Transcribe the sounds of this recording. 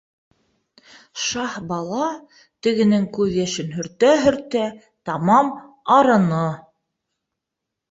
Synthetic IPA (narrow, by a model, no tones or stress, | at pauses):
ʃɑhbɑlˠɑ | t̪ɘ̆ɡɘ̆nɘŋkʉðjæʃɘnɦɵ̆ɾt̪æɦɵ̆ɾt̪æ | t̪ɑmɑm | ɑɾɤ̆nɤ